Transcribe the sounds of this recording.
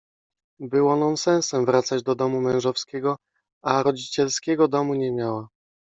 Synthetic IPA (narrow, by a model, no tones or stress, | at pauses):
bɘwɔnɔnsɛ̃w̃sɛmvɾat̪sad͡ʑd̪ɔd̪ɔmumɛ̃wʐɔfskʲɛɡɔ | aɾɔd͡ʑit͡ɕɛlskʲɛɡɔd̪ɔmuɲɛmʲjawa